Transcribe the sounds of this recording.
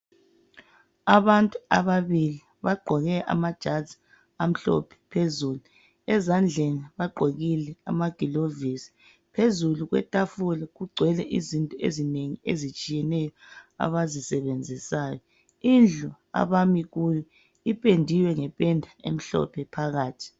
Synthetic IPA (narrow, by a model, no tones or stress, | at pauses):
aβantʼua̰βaβili | βaɡ͡ǃʱɔɣɛʔa̰mad̥ʒ̥ʱadzi̥ | am̩ɬɔ̰pʰɛ̥pʰezuːlu | ɛzand͡ɮʱeniβaɡ͡ǃʱoɣilɛamaɡ̥ʱilovisi̥ | pʰezuluɣwɛ̰tʼafulaɣuɡ͡ǀʱwɛlɛʔizintʼɔḛzineŋiezit͡ʃʼijɛnɛjɔa̰βazisɛβend͡zʱisaːjɔ | ind͡ɮʱɔ | a̰βamiɣujɔ | ipʼendʱiwɛŋɛpʼɛndʱaem̩ɬɔ̰pʰɛpʰaɣaːtʰi̥